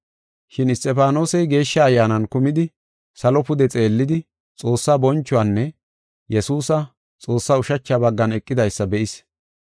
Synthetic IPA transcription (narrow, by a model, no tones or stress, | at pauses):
ʃɪnɪst̪ʼɛpaːno̞ːsɛjɡe̞ːʃːɐːjːaːnɐnkʊmɪd̪ɪ | sɐlɔpʊd̪ɛt͡sʼe̞ːlːɪd̪ɪ | t͡sʼo̞ːsːaːbɔnt͡ʃːʊaːnːɛ | jɛsuːsɐ | t͡sʼo̞ːsːaːʊʃɐt͡ʃːaːbɐɡːɐnɛkʼːɪd̪ɐjsːɐbɛʔɪs